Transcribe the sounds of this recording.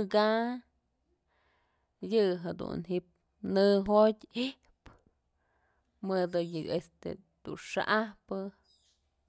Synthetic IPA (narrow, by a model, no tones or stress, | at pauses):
ɡa | jɨɦed̪ṵnɦiʔp̚ | nɨɦotʲi | p | mɨd̪ɨjɨest̪ḛ | d̪̥ṵʂa̰ʔahpɨ